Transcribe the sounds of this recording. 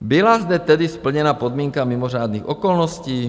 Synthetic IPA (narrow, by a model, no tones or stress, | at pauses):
bɪlazd̪ɛt̪ɛdɪspl̩ɲɛnapod̪miːŋkamɪmoraːd̪nixʔokolnosciː